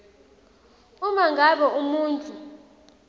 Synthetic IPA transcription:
umaŋɡʱaɓɔumuːntʼu

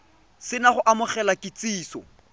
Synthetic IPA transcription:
sɪnaχʊʔamʊχɛlakɪt͡siːsɔ̰

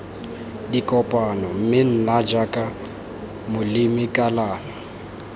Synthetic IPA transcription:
dikʼɔpʼanɔm̩mɪn̩nad͡ʒakʼa | mʊlɪmɪkʼalaːnɔ

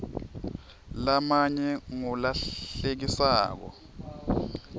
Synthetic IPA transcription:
lamaɲɛŋɔlaɬek̬isaːk̬ɔ̰

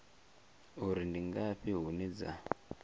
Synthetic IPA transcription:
uɾindiŋɡaɸiɦunid͡za̰

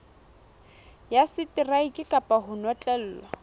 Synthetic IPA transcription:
jasɪtɪraikʼɪkʼapʼaɦʊnwɔt͡ɬʼɛl̩ːlwa

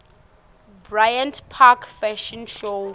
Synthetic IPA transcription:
bɹajãntpʰakʰfɛʃɔnʃo

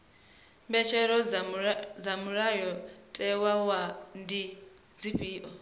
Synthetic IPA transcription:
mbɛt͡ʃʰɛɾɔ | d͡zamuɾajɔtʼɛwawandi | d͡ziɸʼiːʔɔ

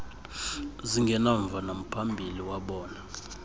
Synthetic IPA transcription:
ziŋɡʱɛnaɱvʱanam̩pʰambʱiliwaɓɔːna

